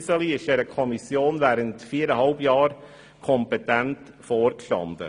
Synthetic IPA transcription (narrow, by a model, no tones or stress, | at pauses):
səliɪʃɛɾəkʰɔmisjoːnvæːɾəntfiːəɾəɦɑlbjɑːɾ | kʰɔmpɛtɛnt | foːɾkʃtɑ̰ndə̰